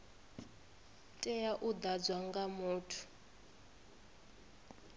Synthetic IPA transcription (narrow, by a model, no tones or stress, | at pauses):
tʼɛjaʔud̪ad͡zwaŋɡamuːtʰu̥